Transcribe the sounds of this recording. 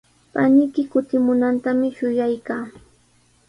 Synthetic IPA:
panɪkɪkʊt̪ɪmʊnant̪amɪʃʊjajkaː

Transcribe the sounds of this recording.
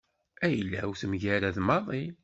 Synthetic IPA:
æjəlːæ̰uθmʝæɾaðmɑðˤi

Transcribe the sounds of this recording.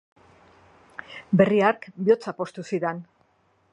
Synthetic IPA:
be̞riaɾkbio̞t͡sapo̞st̪usiðan

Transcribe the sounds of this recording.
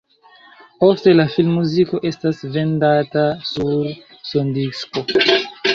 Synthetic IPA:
po̞ste̞lafilmːuziko̞ʔe̞stasve̞ndatasuɾ | so̞ndisko̞

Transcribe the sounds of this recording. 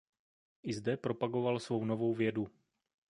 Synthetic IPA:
ʔɪzdɛpɾo̞paɡo̞valsvo̞wno̞vo̞wvjɛdu

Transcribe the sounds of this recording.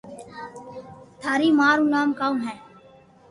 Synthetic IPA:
t̪ʰaːɾiːmaːɾunaːmkaːmɦɛ̃ː

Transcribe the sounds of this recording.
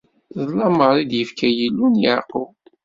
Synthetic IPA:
ðˤlɑməɾˤid̪jəfkʰæjəlːunjəɾqow

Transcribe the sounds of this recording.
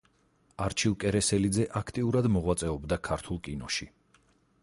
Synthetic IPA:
aɾt͡ʃʰilˠkʼɛɾɛsɛlid̪zɛʔakʰt̪ʼiuɾad̪mɔʁwat̪sʼɛɔbd̪akʰaɾt̪ʰulˠkʼinɔʃi

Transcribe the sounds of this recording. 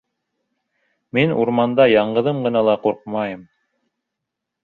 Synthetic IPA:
minṵɾmɑnd̪ɑjɑɴɢɤ̆ðɤmɢɤ̆nɑlˠɑquɾqmɑjɤm

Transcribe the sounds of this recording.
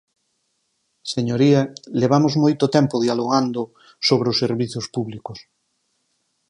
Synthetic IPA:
seɲoɾialeβ̞amozmojt̪ʊot̪ɛmpoðialoɣand̪ʊ | soβɾeoseɾβiθjospuβlikʊs

